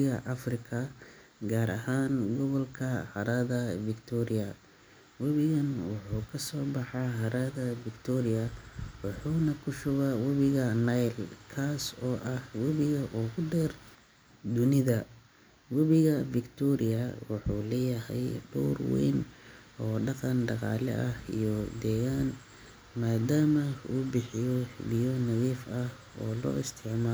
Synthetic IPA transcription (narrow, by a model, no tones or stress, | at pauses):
ɣɐʔɐfrɪkʰɐ | ɡaːɾɐɦaːnɡɔβɔlkʰɐhɐɾaðɐvɪkt̪ʰɔɾɪjɐ | wɐβɪɣɐnwɑħuːkʰɐsɔːbɑħɑɦɐɾaðɐvɪkt̪ʰɔɾɪjɐwɑħuːnɐkʰʊʃʊβawɐβɪɣɐnɐjlkʰaːsɔːʔɐhwɐβɪɣɐʔɔːɣʊɖɛːr | d̪ʊnɪðɐ | wɐβɪɣɐfɪkt̪ʰɔɾɪjɐwɑħṵːlɛːjɐɦɛ̰jɖɔ̰ːrwɛ̰jnʔɔːɖɑqɑnɖɑqɑ̰ːlɛ̰ʔɐhḭjɔd̪ɛːɣaːn | maːd̪aːmɐṵːbɪħɪjɔβijɔnɐðiːfɐh | ɔ̰ːlɔ̰ːɪst̪ʰɪʕmaː